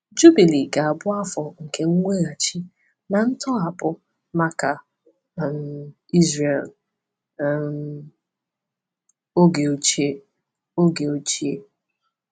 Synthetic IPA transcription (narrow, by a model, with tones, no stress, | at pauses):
d͡ʒu˦bi˨li˨ɡa˨a˨bʊ˦a˦fɔ˨ŋ̩˨ke˦ŋ̩˦ŋʷe˦ɣa˨t͡ʃi˦ | na˨n̩˦tɔ˦a˨pʊ˦ | ma˦ka˨ | m˨ | i˦zre˨l | o˦ɡe˨o˨t͡ʃi˦e˦ | o˦ɡe˨o˨t͡ʃi˦e˦